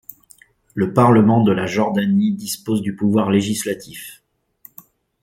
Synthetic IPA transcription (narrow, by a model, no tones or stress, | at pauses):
ləpaʁləmɑ̃d̪əlaʒɔʁd̪anid̪ispozd̪ypuvwaʁleʒislat̪ʰif